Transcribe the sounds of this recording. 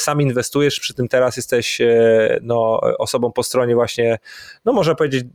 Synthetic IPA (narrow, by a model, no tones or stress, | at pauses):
saminvɛst̪ujɛʂpʂɘ̥t̪ɘmt̪ɛɾasjɛst̪ɛɕ | nɔ̰ʔɔsɔbɔ̃w̃pɔst̪ɾɔɲɛvwaɕɲɛnɔmɔʐɛpɔvʲjed͡ʑed͡ʑ